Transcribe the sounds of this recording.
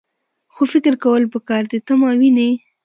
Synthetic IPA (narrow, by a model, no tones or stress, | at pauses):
xofɪkɪɾkawəlpəkɑɾd̪et̪amɑwine